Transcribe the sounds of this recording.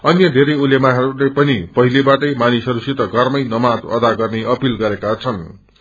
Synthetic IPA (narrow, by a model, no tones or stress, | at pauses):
ʌnjʌd̪ʱeɾʌjulemaɦʌɾulepʌnipʌɦilebaʈʌjmanisʌɾusit̪ʌɡʱʌrmʌjnʌmad͡zʌ̰d̪aɡʌrneʔʌpilɡʌɾekat͡sʰʌn